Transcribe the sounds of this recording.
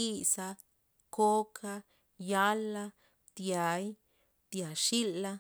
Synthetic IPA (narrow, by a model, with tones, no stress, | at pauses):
i˦˨sa˧ | ko˦kʰa˧ | ja˦lːa˧ | d̪ja˨j | d̪̥ja˨ʃi˦lːa˦